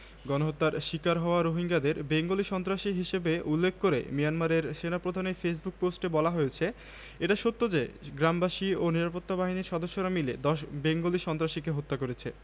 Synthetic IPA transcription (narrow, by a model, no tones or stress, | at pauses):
ɡɔnoɦot̪ːaɾʃikaɾɦɔoaɾoɦiŋɡad̪eɾbeŋɡoliʃɔnt̪ɾaʃiɦiʃebeulːekʰːkoɾḛmijanmaɾeɾʃenapɾod̪ʱaneɾfes̬buk̚posʈebɔlaɦojet͡ɕʰe | eʈaʃot̪ːod͡ʑeɡɾambaʃioniɾapot̪ːabaɦiniɾʃɔd̪oʃːoɾamiled̪ɔʃbeŋɡoliʃɔnt̪ɾaʃikeɦot̪ːakoɾet͡ɕʰe